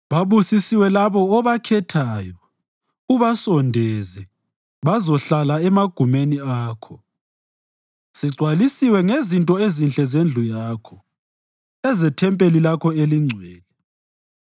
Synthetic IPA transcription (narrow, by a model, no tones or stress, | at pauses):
βaβusisiwɛlaβɔːβakʰɛtʰaːjɔ | uβasɔndʱɛzɛ | βazɔɬalaɛmaɡ̥ʱumeniaːkʰɔ | siɡ͡ǀʱwalisiwɛŋezintʼɔezinɬɛzend͡ɮʱujaːkʰɔ | ɛzɛtʰɛmpʼelilakʰɔeliŋ͡ǀʱwɛːlɛ